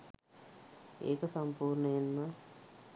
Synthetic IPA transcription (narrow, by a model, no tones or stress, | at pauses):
ḛːkɐsɐmpuːɾɳɐjenma